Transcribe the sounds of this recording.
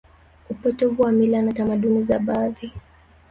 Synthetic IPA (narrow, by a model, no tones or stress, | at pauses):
upɔtɔvuwamilanatamaɗunizaɓaːði